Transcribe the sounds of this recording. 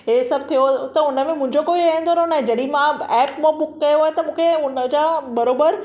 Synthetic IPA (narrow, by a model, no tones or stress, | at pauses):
ɦesɐb̚ʱt̪ʰijot̪ɐʊnəmẽmʊ̃ɦɪ̃ɲd͡ʑokoːiaə̃nd̪oanonɐɦẽd͡ʑɐɗimãɛːpmõbʊkːɐjoɦaːnt̪ɐmũːkʰeʊnəd͡ʑaːbɐɾoːbəɾ